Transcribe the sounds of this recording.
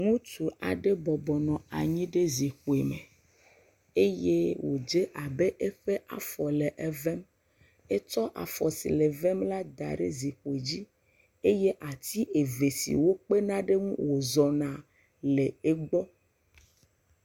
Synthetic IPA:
ŋũ˦t̪u˨ʔa̰˨ɖe˦bɔ˨bɔ˨nɔ̃˨a˨ɲĩ˦ɖe˦zi˨xo˨e˨me˨ | e˦je˦wo˨d͡ʒe˦ʔa˨be˦ʔe˦ɸe˦ʔa̰˨fɔ˨le˨ʔɛ˦vɛ˦m | e˦t͡ʃɔ˦ʔa̰˨fɔ˨sḭ˨le˨vɛ˦mla˦d̪a̰˨ɖḛ˦zi˨ɸo˨e˨d͡ʑi˦ | e˦je˦ʔa˨t̪i˦ʔe˨ve˨sḭ˨wo˦k͡pe˦nã˦ɖe˦ŋṵ̃˦wo˨zɔ˨nã˨ | le˨e˦ɡ͡bɔ˦

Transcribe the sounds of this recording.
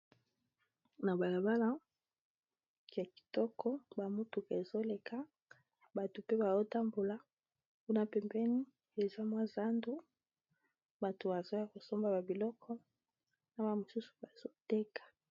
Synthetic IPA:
na˨ba˨la˨ba˦la˦˨ | a˨ki̥˨tɔ˦kʰɔ˦ba˨mu˦tu˨ka˨e˨zo˦le˨kʰa˦ | ba˨to˨pe˦ba˨zo˦ta˦mbo˨la˨ | ku˦na˦pɛ˨mbɛ˦ni˦ | e˨za˦mwa˦za˦ndu˦ | ba˨to˨ba˨zo˦ja˨ko˨so˦mba˨ba˨bi˨lɔ˦kʰɔ˦ | na˦ba˨mo˨su˦su̥˨ba˨z̥o˦tɛ˦kḁ˨

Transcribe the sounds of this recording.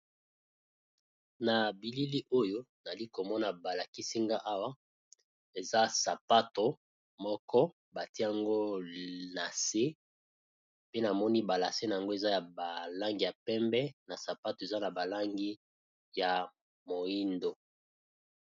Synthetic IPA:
na˨bi˨li˦li˦ʔo˦jo˦na˨li˦ko˨mɔ˦na˨ba˨la˨ki˦si˦ŋɡa˦ʔa˦wa˦ | e˨za˦sa˨pa˦to˨ | mɔ˦kɔ˦ | ba˨ti˦a˦˨ŋɡo˦na˨se˦ | pe˦na˨mɔ˦ni˦ba˨la˨se˦na˨a˨ŋɡo˦e˨za˦ja˨ba˨la˦ŋɡi˨ja˨pɛ˦mbɛ˦na˨sa˨pa˦to˨e˨za˦na˨ba˨la˦ŋɡi˦ | ja˨ | mo˨i˦ndo˨

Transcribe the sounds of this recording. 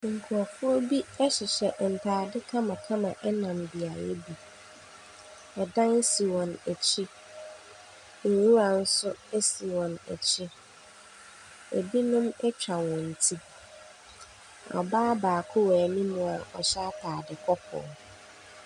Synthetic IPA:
ŋ̩˨kʰu˨a˨fʊ˦ɔ˦bi˦ɛ˦ɕɪ˨ɕɛ˨ʔn̩˨tʰaː˨dɪ˦kʰã˦mã˨kʰã˦mã˨ʔɛ˦nã˨mbi˨a˨jɛ̰˦bi˨ | ɛ˨dã˦n˦si˨wɔ̃˨næ˨t͡ɕʰɪ˦ | ŋ̩˨wu˦a˨n̩˦sʊ˦ɛ˦si˨wɔ̃˨nɛ̰˨t͡ɕʰɪ˦ | e˨bi˦nʊ̃˦mɛ˦t͡ɕᶣa˨wɔ̃˨n̩˨tʰi˦ | ɔ̰˨baː˦baː˨kʰʊ˦wɛː˨nĩ˦mʊ̃˨a˨ɔ˨ɕa˦tʰaː˨dɪ˨kʰɔ˦pʰɔ̰ː˨

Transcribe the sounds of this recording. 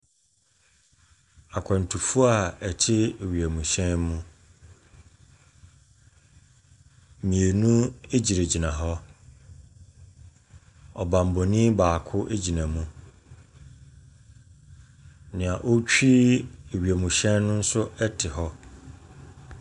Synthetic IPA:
a˨kʰã˨n˨tʰu˨fu˦a˨ɛ˨t͡ɕʰɪ˦e˨ɥi˨æ˨mũ˨ɕɛ̃˦nmũ˦ | mĩ˨e˨nũ˦e˦d͡ʑi˨ɾe˨d͡ʑi˨nã˨ɦɔ˦ | ɔ˨bã˨m˨bɔ˨nĩ˦baː˨kʰʊ˦ʔe˦d͡ʑi˨nã˨mũ˦ | nɪ̃˨a˨ʔo˦t͡ɕᶣi˦e˨ɥi˨æ˨mũ˨ɕɛ̃˦nnʊ̃˦n̩˦sʊ˦ɛ˦tʰɪ˨ɦɔ˦

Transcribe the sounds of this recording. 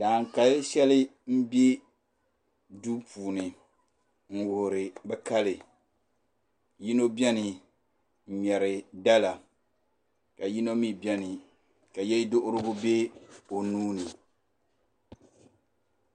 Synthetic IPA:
daː˨ŋ˨ka˦lʃɛ˦lɪ˦m̩˦bi˦e˦ | du˦pʰuː˨nɪ˨ | ŋ̩˦˨wʊ˨hɾɪ˨bɛ˦ka˦lɪ˨ | ji˦no˦bɛ˦nɪ˨ | m̩˨ɲɛ˨ɾɪ˨da˦la˨ | ka˨ji˦no˦mi˦bɛ˦nɪ˨ | ka˨jɛ˦dʊ˦ʔʊ˦ɾɨ˦ɡʊ˦be˦o˨nuː˦ni˨

